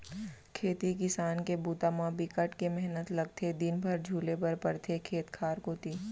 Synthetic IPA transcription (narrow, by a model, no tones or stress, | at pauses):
kʰeːt̪ikɪsaːnkebuːt̪aːmãbɪkəʈkemɛɦnət̪lɐɡ̚t̪ʰed̪ɪnbʱəɾd͡ʒʱuːlepɐɾpɐɾt̪ʰekʰeːt̪kʰaːɾkoːt̪iː